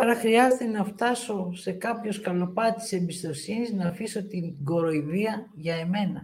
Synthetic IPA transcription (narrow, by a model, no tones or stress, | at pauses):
pɐɾɐxɾiɐzet̪enɐft̪ɐso̞se̞kɐpço̞skɐlo̞pɐt̪i̥se̞mbist̪o̞siniznɐfiso̞t̪iŋɡo̞ɾo̞iðiɐ | ʝɐe̞me̞nɐ